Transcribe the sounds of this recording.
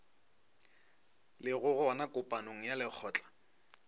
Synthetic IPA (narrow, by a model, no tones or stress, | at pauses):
lɪɣʊɣʊanakʼʊpʼanoŋ̩jalɪk͡xʰɔːt͡ɬʼḁ